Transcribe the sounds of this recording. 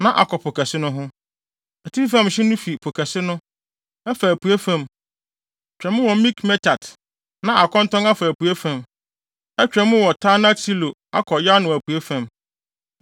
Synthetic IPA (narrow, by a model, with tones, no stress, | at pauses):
nã˨ʔa̰˨kʰɔ˨pʰʊ˨kʰæ˨sɪ˦nʊ̃˦ɦʊ̃˦ | ɛ˨tʰi˦fã˦˨mɕɪ˦nʊ̃˦fi˨pʰo˨kʰæ˨sɪ˦nʊ̃˦ | ɛ˦fa˨æ˨pu˨e˦fã˨m˦ | t͡ɕᶣɛ̃˨mʊ̃˦wɔ˨˦mĩ˦kmɛ˦tʰa˨d | nã˦ʔa˨kʰɔ̃˦n˦tɔ̃˦ŋa˦fa˨æ˨pʰu˨e˦fã˨m | ɛ˦t͡ɕᶣɾɛ˨mʊ̃˦wɔ˨tʰaː˦na˦tʰi˦lo˨a̰˦kʰɔ˨ja˦nʊ̃˨æ˨pʰu˨e˦fã˨m